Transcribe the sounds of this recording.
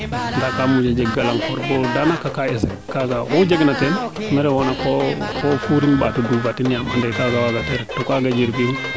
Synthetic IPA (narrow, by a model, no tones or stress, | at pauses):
ndakamud͡ʒad͡ʒeɡalaŋkɔɾbodanakakaesekaɡawod͡ʒeɡnaten | mɛɾewonakokofuɾinbatudubatinjamandekaɡawaɡateɾtokaɡad͡ʒiɾbini